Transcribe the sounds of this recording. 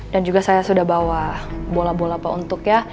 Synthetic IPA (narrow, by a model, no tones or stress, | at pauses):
dand͡ʒuɡasajasudahbawabolabolaːpaunt̪ʊkja